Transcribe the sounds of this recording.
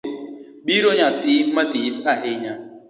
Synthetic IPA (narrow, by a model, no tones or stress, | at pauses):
biɾoɲatimatiisaɦeɲa